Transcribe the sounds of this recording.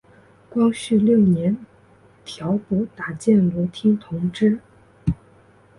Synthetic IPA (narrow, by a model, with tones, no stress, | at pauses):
kwɑ˥ŋɕy˥˧ljo˥˩ʊnjɛ˧˥n | t̪ʰjɑ˧˥ʊpɔ˧˥t̪a˨˩t͡ɕjɛ˥˩nlɔ˧˥t̪ʰi˥ŋt̪ʰʊ˧˥ŋʈ͡ʂɻ̩˥